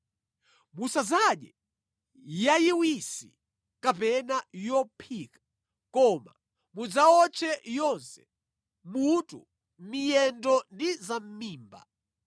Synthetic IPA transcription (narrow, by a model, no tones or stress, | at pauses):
musazaɗɛ | jajiwisḭ | kapɛnajɔpʰikḁ | kɔma̰ | mud͡zaɔt͡ʃʰɛjɔnsɛ̥ | mutṵ | mijɛndɔndizam̩miːmba̰